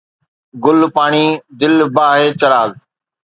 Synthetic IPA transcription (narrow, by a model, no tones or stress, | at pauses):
ɡʊlpaːɽ̃iːd̪ɪlbaːɦeːt͡ʃɐɾaːɡ